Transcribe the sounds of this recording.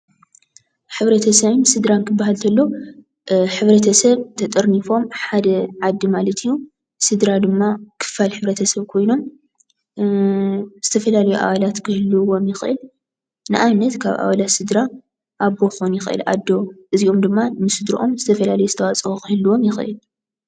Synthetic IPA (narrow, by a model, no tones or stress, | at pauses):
ħɨβɾɐt̪ʰɐsɐβɨnsɨd̪ɾankʰɨbːahalt̪ʰɐlːo̞ | ħɨβɾɐt̪ʰɐsɐβt̪ʰɐt̪ʼɐɾnifo̞mħad̪ɐʕad̪ːimalɐt̪ʰɨjːu | sɨd̪ɾad̪ɨmːakʰɨ̥falħɨβɾɐt̪ʰɐsɐβkʰo̞jno̞m | z̥ɨt̪ʰɐfɐlalɐjuʔa̰βalat̪kʰɨhɨlːɨwo̞mjɪxɨʔɨ̰l | nɨʔaβnɐt̪kʰaβʔa̰βalat̪sɨd̪ɾa | ʔaβoxonjɪxɨʔɨ̰lʔa̰d̪ːo̞ʔɨziʔo̞md̪ɨmːanɨsɨd̪ɾṵʔo̞mzɨt̪ʰɐfɐlalɐjuzɨt̪ʰɐwat͡sʼɨukɨhɨlːuwo̞mjɪxɨʔɨ̰l